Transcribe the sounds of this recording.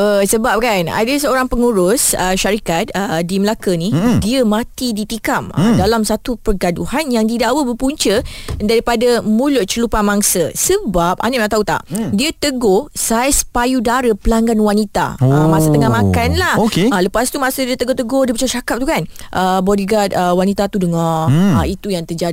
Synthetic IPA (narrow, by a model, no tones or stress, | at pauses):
əsəbap̚kana̰dəsəoɾaŋpəŋuɾʊsəʃaɾikat̪̚ədiməlakənĩdiəmãt̪idit̪ikamdalamsat̪upərɡaduhanjaŋdidaʔwəbəpuɲt͡ʃədaɾipadamũlʊʔ̪̚t͡ʃəlupamaŋsəsəbap̚a̰naʔãʔt̪aut̪a̰ʔdiət̪əɡosajspajudaɾəpəlaŋɡanwanit̪a̰amãsət̪əŋahmãkanlahokealəpast̪umasədiət̪əɡot̪əɡodipət͡ʃaʃakap̚t̪ukan | ʔəbɔdiɡat̪̚əwanit̪at̪udəŋaait̪ujaŋt̪əd͡ʒa